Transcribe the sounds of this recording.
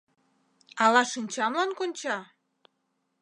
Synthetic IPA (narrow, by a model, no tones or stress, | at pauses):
ɑlɑʃinʲt͡ɕɑmlɑnkonʲt͡ɕɑ